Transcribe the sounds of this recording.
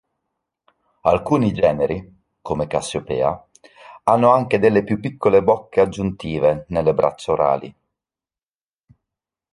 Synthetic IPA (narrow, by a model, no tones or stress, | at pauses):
alkuːnid͡ʒɛːneɾi | komekasːjopɛ̰ːa | anːoaŋked̪elːepjupːikːolebɔkːead͡ʒːunt̪iːvenelːebɾʔa̰t͡ʃːaoɾa̰ːlḭ